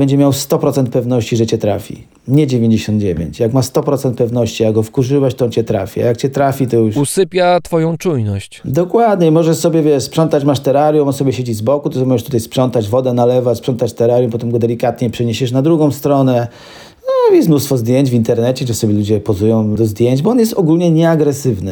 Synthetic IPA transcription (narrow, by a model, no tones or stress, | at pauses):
bɛɲd͡ʑɛmʲjawst̪ɔpɾɔt̪sɛnt̪̚pɛvnɔɕt͡ɕiʐɛt͡ɕɛt̪ɾa̰fʲḭ | ɲɛd͡ʑevʲjeɲd͡ʑeɕɔnd̪̚d͡ʑevʲḛɲt͡ɕjakmast̪ɔpɾɔt̪sɛnt̪̚pɛvnɔɕt͡ɕiaɡɡɔfkuʐɘwaɕt̪ɔɔnt͡ɕɛt̪ɾa̰fʲia̰jakt͡ɕɛt̪ɾafʲit̪ɔjuʂusɘpʲjat̪fɔjɔ̃w̃t͡ʂujnɔɕt͡ɕd̪ɔkwad̪ɲɛimɔʐɛʂsɔbʲɛvʲjɛʂspʂɔnt̪at͡ɕmaʂt̪ɛɾaɾjumnsɔbʲjɛɕed͡ʑizbɔkut̪ɔmɔʐɛʂt̪ut̪ajspʂɔnt̪ad͡ʑvɔd̪ɛnalɛvaspʂɔnt̪at͡ɕt̪ɛɾaɾjumpɔt̪ɛmɡɔd̪ɛlʲikat̪ɲɛpʂɛɲeɕɛʂnad̪ɾuɡɔ̃w̃st̪ɾɔnɛ | ɔvʲjɛsmnust̪fɔzd̪jeɲd͡ʑvʲint̪ɛɾnɛt͡ɕɛʐɛsɔbʲjɛlud͡ʑɛpɔzujɔ̃w̃d̪ɔzd̪ʲjeɲd͡ʑbɔɔnjɛst̪ɔɡulɲɛɲɛaɡɾɛsɘvnɘ